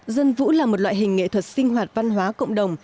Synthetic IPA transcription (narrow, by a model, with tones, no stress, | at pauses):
zə˧nvṵ˧˥laː˨˩mo˨˩t̚lwa̰ː˧˨jɦï˨˩ŋ̟ŋḛ˧˨t̪ʰwə˨˩t̚sï˧ŋ̟ɦwaː˨˩t̚va˧nɦwaː˨˦kə̰˧˨wŋ͡mɗə˨˩wŋ͡m